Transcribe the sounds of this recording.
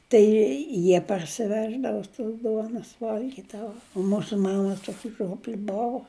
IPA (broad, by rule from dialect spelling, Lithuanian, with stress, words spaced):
ˈtɐɪ ˈjiɛ pɐrʲsʲɪˈʋʲæːʒdɐʋoː toːs ˈduɔnoːs ˈʋɐlʲɡʲiːdɐʋoː oː ˈmuːsʊ ˈmɑːmɐ ˈtuɔkʲɪ ˈʒʲuɔpʲlʲɪ ˈboːʋʊ